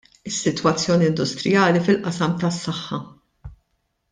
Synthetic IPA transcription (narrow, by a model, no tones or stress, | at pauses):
ɪsːɪt̪wɐt͡sːjɔːniɪnd̪ʊst̪ɾɪjɐːlifɪlʔɐsɐmt̪ɐsːɐħːɐ